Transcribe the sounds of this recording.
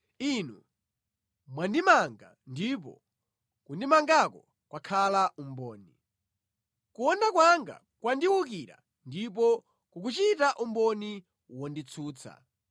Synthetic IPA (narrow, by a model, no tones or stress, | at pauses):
inu | mwandimaŋɡa̰ | ndip̬ɔ̰ | kundimaŋɡakɔ | kwakʰalaʔumbɔːni | kuwɔndakwaŋɡa̰ | kwandiwuk̬iɾa̰ | ndip̬ɔ | kuk̬ut͡ʃitaʔumbɔni | wɔndit͡sʰuːt͡sʰa̰